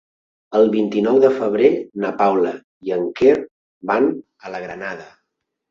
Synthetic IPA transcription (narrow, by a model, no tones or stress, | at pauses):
əlˠβint̪inɔwðəfəβ̞ɾenapawlə | iəŋker | ban | ələɣɾənaðə